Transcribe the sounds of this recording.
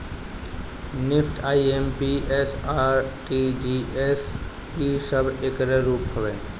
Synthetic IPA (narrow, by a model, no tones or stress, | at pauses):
nɪpʰʈʰaːiempiesaːɾʈid͡ʒies | kisəbʱeːkɾeɾuːpɦəʋeː